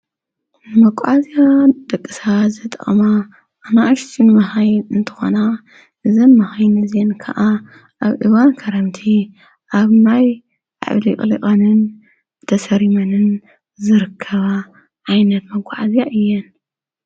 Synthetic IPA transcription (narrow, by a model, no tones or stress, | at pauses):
mɐkʼʕazjad̪̥ɐkʼːɨsazɐt̪ʼɐ̰χʼxʼma | ʔːnaʔɨʃt̪ʰinɨmɐhajɨnt̪ʰɨ̥xo̰na | ʔɨzɐnmɐhajnɐzenkʰɐ̰ʔa | ʔaβʔɨ̰βankʰɐɾɐmt̪ʰi | ʔaβnaj | ʕa̰βlikʼliχʼɐnɨn | t̪ʰɐsɐɾimɐnɨn | zɨɾɨkʰːɐβa | ʕajnɐt̪mɐkʷʼːʕazijaʔɨjːɛn